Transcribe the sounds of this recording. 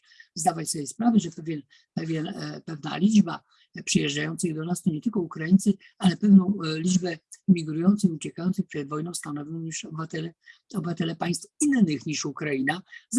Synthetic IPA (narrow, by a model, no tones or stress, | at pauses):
zd̪avat͡ɕsɔbʲjɛspɾavɛʐɛpɛvʲɛn | pɛvʲjɛnpɛvna̰lʲid͡ʐba̰ | pʂɛjɛʐd͡ʐajɔnt̪sɨjd̪ɔnast̪ɔɲɛt̪ɘlkɔukɾajint̪sɘ | alɛpɛvnɔ̃w̃lʲid͡ʒbɛmʲiɡɾujɔnt̪sɛiut͡ɕɛkajɔnt̪sɨpʂɛd̪vɔjnɔ̃w̃st̪anɔvʲjɔ̃w̃ɲiʂɔbvat̪ɛlɛɔbɘvat̪ɛlɛpaj̃st̪finːɘxɲiʂukɾajinaz